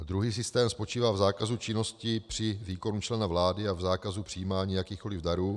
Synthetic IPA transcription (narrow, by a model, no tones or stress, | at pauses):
d̪ɾuɦiːs̬ɪst̪ɛːmspo̞t͡ʃiːvaːvzaːkazut͡ʃɪno̞scɪpr̝̥ɪviːko̞nut͡ʃlɛnavlaːdɪavzaːkazupr̥ijiːmaːɲiːjakiːxko̞lɪvdaɾuː